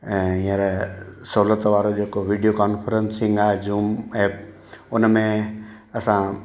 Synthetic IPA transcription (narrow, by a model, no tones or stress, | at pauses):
ĩːə̃ɾesɐɦulət̪ʋaːɾod͡ʑeːkoʋiːɖijokaːnfʰəɾənsɪ̃ŋɡaːɦed͡ʑuːmeːp | ʊnmẽ | ɐsã